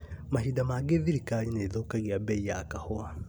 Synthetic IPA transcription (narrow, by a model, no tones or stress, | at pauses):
maɦidamaːɡeðiɾikaɲineːðokaɣiabɛijakahoa